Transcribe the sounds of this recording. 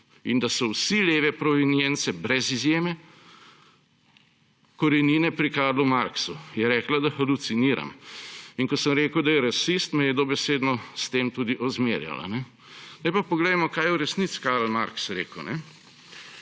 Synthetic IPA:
ind̪asɔwsileːʋɛpɾɔʋinjɛnt̪sɛbɾɛzizjeːmɛ | kɔɾɛniːnɛpɾikaːɾlumaɾksujɛɾɛːklad̪axalut̪siniːɾa̰miŋkɔsəmɾeːkəwd̪ajɛɾasist̪mɛjɛd̪obɛseːd̪nɔst̪eːmt̪uːd̪iʔɔzmeːɾja̰la̰nɛ | najpapɔɡlɛmɔkaːjɛuɾɛsnit̪si̥kaɾl̩ma̰ɾksɾḛːkəwnɛ

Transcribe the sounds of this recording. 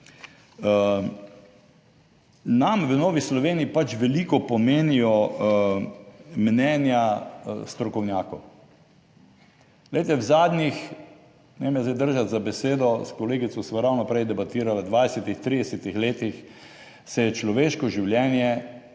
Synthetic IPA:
namʋənoːʋislɔʋeːniipat͡ʃʋɛlikɔpɔmeːnijɔ | mnɛːnjast̪ɾɔkɔwnjaːkɔw | lejt̪ɛwzaːd̪nix | nɛemjazd̪ejd̪əɾʒat̪zabɛseːd̪ɔskɔleːɡit̪sɔsʋaɾawnɔpɾɛjd̪ɛbat̪iːɾalad̪ʋad̪ɛsɛt̪ixt̪ɾiːd̪ɛsɛt̪ixleːt̪ix | sɛjɛt͡ʃlɔʋeʃkɔʒiwljɛːnjɛ

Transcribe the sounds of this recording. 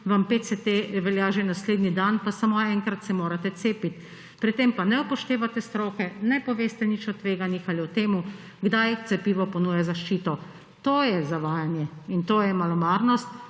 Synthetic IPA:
ʋampeːt̪sɛt̪eʋɛljaʒenasleːd̪nid̪anpasamoɛŋkɾat̪sɛmoːɾat̪ɛt̪seːpit̪ | pɾit̪empanɛɔpɔʃt̪eːʋat̪ɛst̪ɾoːkɛnɛpɔʋeːst̪ɛnit͡ʃɔt̪ʋeːɡanjixaliɔt̪eːmu | ɡd̪ajt̪sɛpiːʋɔpɔnuːjazaʃt͡ʃiːt̪ɔ | t̪oːjɛzaʋaːjanjɛint̪oːjɛmalɔmaːɾnɔst̪

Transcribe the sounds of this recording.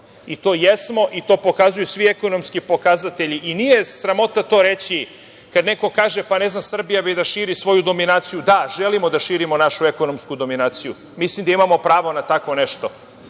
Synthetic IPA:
it̪o̞ːjesmo̞ʔit̪o̞ːpo̞kazujusʋieko̞no̞mskipo̞kazat̪eʎiʔinije̞sɾamo̞t̪at̪o̞ːɾet͡ɕi | kad̪ne̞ko̞kaːʒepane̞znamsr̩bijabed̪aʃiːɾisʋo̞jud̪o̞minaːt̪sijud̪aʒelimo̞d̪aʃiːɾimo̞naʃue̞ko̞no̞mskud̪o̞minaːt̪siju | mislimd̪aimamo̞pɾaːʋo̞nat̪akʋone̞ʃt̪o̞

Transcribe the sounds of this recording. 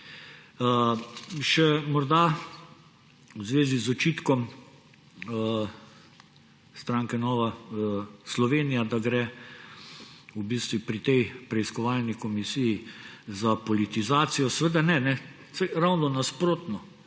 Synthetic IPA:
ə | ʃɛmɔɾd̪a | wzʋeːzizɔt͡ʃiːt̪kɔm | st̪ɾaŋkɛnɔːʋa | slɔʋeːnijad̪aɡɾɛ | ubist̪ʋupɾit̪ɛjpɾɛiskɔʋalnikɔmisijizapɔlit̪izaːt̪sijɔsɛʋəd̪anɛnɛ | sɛɪɾawnɔnaspɾoːt̪nɔ

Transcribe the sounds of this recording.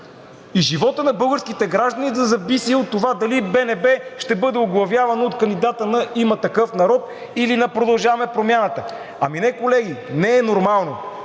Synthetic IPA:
iʒivɔt̪ənɐbɤlˠɡəɾskit̪ɛɡɾaʒd̪ənid̪ɐzɐbisiot̪ːovad̪ɐlibɛnɛbɛʃt̪ɛbɤd̪ɛoɡlˠɐvjavɐnoot̪kɐnd̪id̪at̪ənɐʔimɐt̪ɐkɤfnɐɾɔt̪ | ilinɐpɾod̪ɐlˠʒavɐmɛpɾomʲjanət̪ə | ɐminɛkolɛɡinɛɛnoɾmalˠno

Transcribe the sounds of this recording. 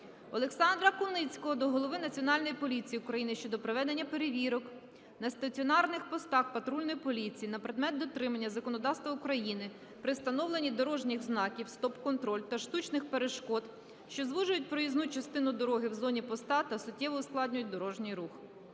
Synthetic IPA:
ɔlˠeksɑnd̪ɾɐkʊnɪt͡sʲkɔɦɔd̪ɔɦɔlˠɔʋɪnɐt͡sʲiɔnɑlʲnɔjipɔlʲit͡sʲijiʊkɾɐjinɪʃt͡ʃɔd̪ɔpɾeʋɛd̪e̞nʲːɐpe̞ɾeʋʲiɾɔk | nɐst̪ɐt͡sʲiɔnɑrnɪxpɔst̪ɑxpɐt̪ɾulʲnɔjipɔlʲit͡sʲijinɐpɾed̪mɛt̪̚d̪ɔt̪ɾɪmɐnʲːɐzɐkɔnɔd̪ɑwst̪ʋɐʊkɾɐjinɪ | pɾɪst̪ɐnɔwlˠenʲid̪ɔɾɔʒnʲɪxznɑkʲiwst̪ɔpkɔnt̪ɾɔlʲt̪ɐʃt̪ut͡ʃnɪxpeɾeʃkɔd̪ | ʃt͡ʃɔzʋuʒʊjʊt̚ʲpɾɔjiznut͡ʃɐst̪ɪnʊd̪ɔɾɔɦɪwzɔnʲipɔst̪ɑt̪ɐsʊtʲːɛʋɔʊsklˠɑdʲnʲʊjʊt̚ʲd̪ɔɾɔʒnʲijɾux

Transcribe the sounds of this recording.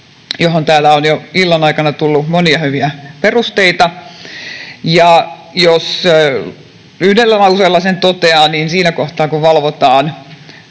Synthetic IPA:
joɦont̪æːlːæonjoilːɑnɑikɑnɑt̪ulːumoniɑhyʋiæperust̪eit̪ɑ | jɑjos | yhnelːænɑuseːlːɑsent̪ot̪eɑːniːnsiːnækoht̪ɑːkuʋʋɑlʋot̪ɑːn

